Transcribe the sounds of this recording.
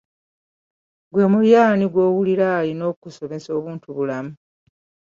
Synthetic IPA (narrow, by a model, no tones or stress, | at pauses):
ɡwe̞muljaːniɡwo̞ːwuliɾalino̞ːkuso̞me̞so̞ːβuːntuβulamu